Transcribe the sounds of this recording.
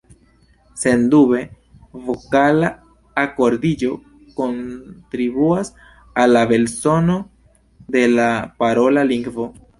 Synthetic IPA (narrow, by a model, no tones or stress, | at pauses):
se̞nd̪ube̞ | vo̞kalaː | ko̞ɾdid͡ʒo̞ | ko̞ntɾibuas | alːabe̞lso̞no̞ | de̞lapaɾo̞laliŋɡvo̞